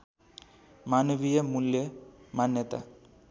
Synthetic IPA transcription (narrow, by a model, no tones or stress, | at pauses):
manʋijəmuljəmanjət̪a̰